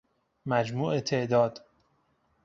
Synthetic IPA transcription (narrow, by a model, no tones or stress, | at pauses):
mæd͡ʒmuːʔet̪ʰeʔd̪ɒːd̪̥